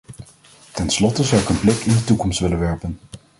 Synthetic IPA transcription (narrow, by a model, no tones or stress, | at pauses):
tɛnslɔtəzɑwɪkənplɪkɪndətukɔmstʋɪlənʋɛɹpən